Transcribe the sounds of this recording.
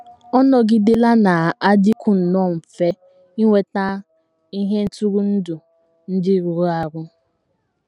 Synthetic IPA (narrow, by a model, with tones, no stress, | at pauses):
ɔ˦nɔ˦ɡɪ˦dɪ˦la˦na˨a˦dɪ˦kʷʊ˨n̩˨nɔ˦˨m̩˨fe˦ | i˦ŋʷe˦ta˦ | i˦ɦe˦n̩˦tu˦ɾu˦n̩˦du˨ | n̩˦dɪ˦˨ɾu˨ɾu˦a˨ɡʷʊ˦